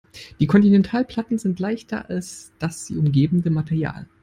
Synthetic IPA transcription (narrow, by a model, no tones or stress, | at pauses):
d̥iːkʰɔntinɛntʰaːlpʰl̥atn̩zɪntlaɪçtɐ̰ʔa̰lsd̥asz̥ḭːʊmɡeːbn̩dəmatʰɛʁja̰ːl